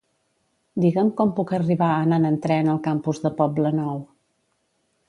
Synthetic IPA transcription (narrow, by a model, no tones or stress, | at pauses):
d̪iɣəmkɔmpukəriβaənanənt̪ɾɛnəlˠkampuzðəpɔblənɔw